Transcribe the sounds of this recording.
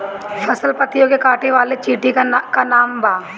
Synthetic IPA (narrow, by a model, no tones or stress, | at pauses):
fɐsəlpət̪ijõkekaːʈeʋaːlet͡ʃiːʈikakanaːmbʱaː